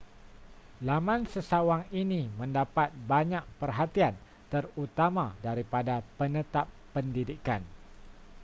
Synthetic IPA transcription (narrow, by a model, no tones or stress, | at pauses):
lamãnsəsawaŋinimə̃ndapat̪̚baɲak̚pərɦat̪ian | t̪ərut̪amadaɾipadapənət̪apːəndidikan